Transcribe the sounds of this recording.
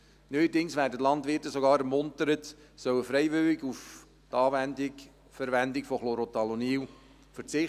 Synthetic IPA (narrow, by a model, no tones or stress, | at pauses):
nœədɪŋsʋæːɾdətlɑntʋɪtəsoɡɑːɾɛɾmʊntəɾət | sœwəfɾɛɪvʏlɪɡuf | tɑːvɛndɪɡ | fəɾvɛndɪkfoχloɾotɑloniːw | fəɾt͡sɪ